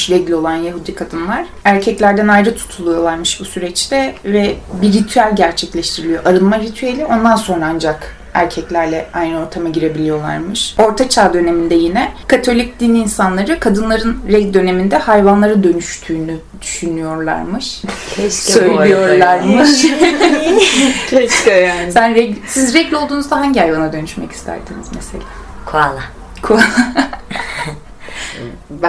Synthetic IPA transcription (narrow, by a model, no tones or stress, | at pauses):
ɾɛɟlʲo̞lˠanjaɦud̪ikʰad̪ɯnlˠaɾ̥æɾcʰɛclʲæɾd̪ænajɾɯt̪ʰu̥t̪ʰulˠujo̞lˠaɾmɯʃbusyɾɛt͡ʃt̪ʰɛvɛbiɾit̪ʰyælʲɟæɾt͡ʃʰɛclʲɛʃt̪ʰiɾilʲijo̞ʔaɾɯlˠmaɾit̪ʰyelʲio̞nd̪anso̞nɾaand͡ʒak | æ̰ɾcʰɛclʲæɾlʲɛajnɯo̞ɾt̪ʰamaɟiɾe̞bilʲijo̞lˠa̰ɾmɯʃo̞ɾt̪ʰat͡ʃʰaːd̪ø̞ne̞mind̪ɛjinɛkʰat̪ʰo̞lʲic̚d̪iniiːnsanlˠaɾɯkʰad̪ɯnlˠaɾɯnɾɛɟd̪ø̞ne̞mind̪ɛhajvanlˠaɾɯd̪ø̞nyʃt̪ʰyːny | d̪̥yʃynyjo̞ɾlˠa̰ɾmɯʃʰɛʃsø̞jlʲijoɾlˠaɾmɯʃ | cʰɛʃkasænɾɛɟsizɾɛɟʲo̞lˠd̪uːnuzd̪aɦaɲɟihajvanad̪ø̞nyʃmɛ̰ci̥st̪ʰæ̰ɾsinizmese̞̰lʲaːkʰualˠa | kʰuala